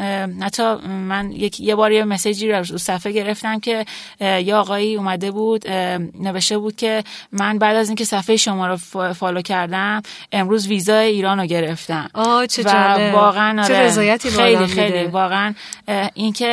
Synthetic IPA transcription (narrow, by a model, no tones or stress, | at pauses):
hæt̪ʰːɒmænjecʰjebɒːɾjemesed͡ʒiːɾæzusæfeɟe̞ɾe̞ft̪æmcʰe̞ | jeɒːɣɒːiːuːmæd̪e̞buːd̪ne̞ve̞ʃt̪e̞buːd̪̥̚cʲʰe̞mænbæːd̪æziːŋcʰe̞sæfejiʃomɒːɾofɒːloːcʰæɾd̪æm | e̞mɾuːzviːzɒːjeiːɾɒːnoɟe̞ɾe̞ft̪æmɔt͡ʃʰevævɒːɣeænɒːɾeezɒːjæt̪ʰiejliːxe̞jliːvɒːɣeænʔincʰe̞